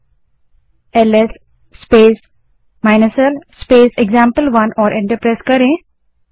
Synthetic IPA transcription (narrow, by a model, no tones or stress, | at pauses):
elesː | peːs | maɪnəsəlspeːseɡzãːmpəlʋɐnɔːɾʔɪ̃ɳʈəɾpɾeːskəɾẽ